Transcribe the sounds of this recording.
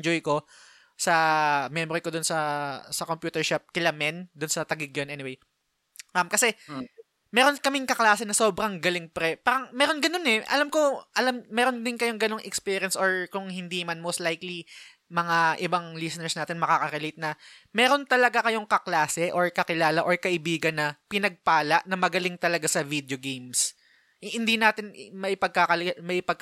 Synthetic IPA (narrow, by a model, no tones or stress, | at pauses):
d͡ʒojko̞ | sɐmɛmoɾɪkod̪ʊnsɐsɐkompjuːt̪ɛɹʃap̚kɪlɐmɛnd̪ʊnsɐt̪ɐɡɪɡ̚jonʔɛnɪwej | amkɐsɛ | mɛːɾo̞nkɐmɪŋkɐklaːsɛnɐso̞ːbɾɐŋɡɐlɪŋpɾɛpaːɾɐŋmɛːɾo̞nɡɐno̞nɛʔɐ̰lamkoʔɐlamːɛːɾo̞nd̪ɪnkɐjo̞ŋɡɐno̞ŋʔɛkspiːɾɪɐnsʔoɹkʊŋhɪnd̪iːmɐnmowst̪lajkli | mɐŋaʔɪbaŋlisɛnɛɹsnaːt̪ɪnmɐkakɐɾɛlejt̪̚nɐmɛːɾo̞nt̪ɐlɐɡakɐjoŋkɐklaːsɛʔoɹkɐkɪlaːlɐʔo̞ɹkɐʔɪbiːɡɐnːɐpɪnɐɡ̚paːlɐʔnɐmɐɡɐlɪŋt̪ɐlɐɡasɐvid̪oɡejms | hɪnd̪inaːt̪ɪnmɐʔɪpɐɡ̚kakɐlmɐʔɪpɐɡ̚k